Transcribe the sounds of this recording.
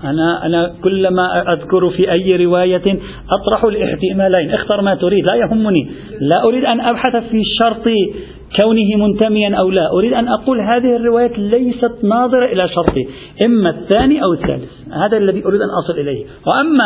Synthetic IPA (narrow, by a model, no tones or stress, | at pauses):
ʔanaʔa̰nakʊlːmaʔʔaðkʊɾfiʔajːɾɪwaːja | ʔɑt̪ˤɾˤɑħʊlʔɪħt̪ɪmaːlaːnʔaxt̪ɑɾˤmat̪ʊɾiːd̪lajaɦʊmːʊni | laʔʊɾiːd̪ʔanʔabħaθfiʃɑɾˤt̪ˤi | kawnɪɦɪmʊnt̪amɪjanʔawlaːʔʊɾiːd̪ʔanʔɑquːlɦaːðɪhɪrːɪwaːjaːlajsat̪nɑːðˤɨɾɑʔɪlaʃɑɾˤt̪ˤi | ʔɪmːaθːaːniʔawɪθːa̰ːlɪθhaːðalːaðiʔʊɾiːd̪ʔanʔɑsˤɨlʔɪlajh | wɪʔamːa